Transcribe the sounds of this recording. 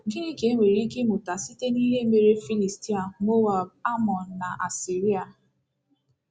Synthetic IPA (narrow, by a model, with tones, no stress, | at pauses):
ɡɪ˦i˦ke˨˦ŋʷe˨ɾi˦ke˦mʊ˨ta˨si˦te˦niː˦le˦me˨ɾe˦fi˦li˨sti˦a˨mo˦wa˨ba˦mɔ˨n̩˨na˨ʔa˨si˨ɾi˦a˨